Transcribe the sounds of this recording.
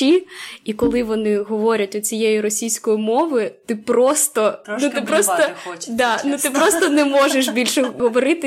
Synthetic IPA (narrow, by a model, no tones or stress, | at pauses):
iikɔlˠɪʋɔnɪɦɔʋɔɾʲɐtʲɔt͡sʲijejiɾɔsʲijsʲkɔjimɔʋɪt̪ɪpɾɔst̪ɔnut̪ɪpɾɔst̪ɔd̪ɑnut̪ɪpɾɔst̪ɔnɛmɔʒeʃbʲilʲʃɛɦɔʋɔɾɪt̪ɪ